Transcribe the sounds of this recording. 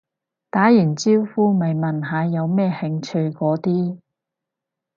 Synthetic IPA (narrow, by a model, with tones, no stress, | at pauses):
t̪aː˨˥jiː˨˩nt͡siː˥wfuː˥mɐ˨jmɐ˨nɦaː˨˧jɐ˨˧wmɛː˥hɪ˧ŋt͡ʃʰɵ˧ɥkɔː˨˥t̪iː˥